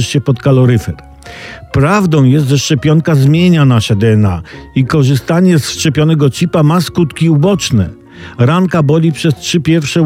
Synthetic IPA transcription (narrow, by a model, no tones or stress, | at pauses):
ʂɕɛpɔt̪kalɔɾɘfɛɾ | pɾavd̪ɔ̃w̃jɛst̪ʐɛʂt͡ʂɛpʲjɔŋkazmʲjeɲanaʂɛd̪ɛɛnaikɔʐɘst̪aɲɛsʂt͡ʂɛpʲjɔnɛɡɔt͡ɕipamaskut̪kʲiubɔt͡ʂnɛ̰ | ɾaŋkabɔlʲipʂɛstʂɘpʲjɛɾfʂɛ